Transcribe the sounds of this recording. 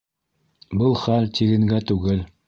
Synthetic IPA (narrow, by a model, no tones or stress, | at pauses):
bɤlˠχælt̪iɡɘ̆ŋɡæt̪ʉɡɘl